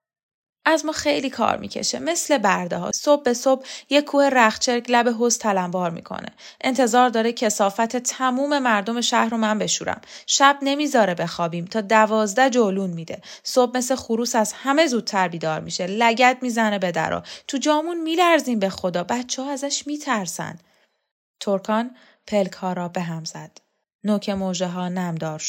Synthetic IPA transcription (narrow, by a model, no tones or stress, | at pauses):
ʔæzmɒːxe̞jliːkʰɒ̰ːɾmḭːcʰe̞̰ʃe̞̰me̞sle̞bæɾd̪eɦɒ̰so̞bːe̞so̞b̚jekʰːuːhe̞ɾæχt͡ʃʰe̞ɾclæbeɦost̪ʰælæmbɒːɾmḭːkʰo̞̰nḛ | ʔent̪ʰe̞zɒːɾd̪ɒːɾecʰe̞sɒːfæt̪ʰe̞t̪ʰæmuːme̞mæɾd̪o̞me̞ʃæhɾomænbe̞ʃṵːɾæ̰mʃæb̚ne̞miːzɒːɾebe̞xɒːbiːmt̪ʰɒːd̪ævɒːzd̪æd͡ʒoluːnmiːd̪e̞̰sob̚me̞slexuɾuːsæz̥hæme̞zuːd̪̥̚t̪ʰæɾbiːd̪ɒːɾmḭʃe̞læɟæd̪̚miːzæne̞be̞d̪æ̰ɾɒ̰t̪ʰud͡ʒɒːmunmiːlæɾziːmbe̞xo̞d̪ɒːbæt̪t͡ʃʰehɒːæzæʃmiːt̪ʰæɾsæ̰nd̪̥ | t̪ʰoɾkʰɒn | pʰe̞lkʰhɒːɾɒːbe̞ɦæmz̥æd̪̥ | nocʰe̞moːʒeɦɒːnæmd̪ɒːɾʃo̥